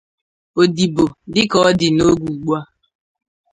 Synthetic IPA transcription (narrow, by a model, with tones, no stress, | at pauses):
o˨di˨bo˨dɪ˦kɔ˨ɔ˦dɪ˨no˦ɡʷu˨ɡ͡ba˦